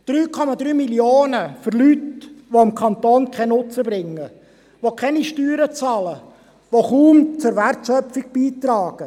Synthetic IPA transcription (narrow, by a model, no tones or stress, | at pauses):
d̥ɾyːkʰɔmɑd̪ɾyːmiljoːnəføɾlytʋoɪmkʰɑnt̪oːnkʰɛnʊt͡səbɾɪŋːə | ʋokʰɛniʃtyːɾət͡sɑːlə | ʋoχuːmt͡sʊɾʋærtʃœpfɪɡ̚b̥iːt̪ɾɑːɡ̥ə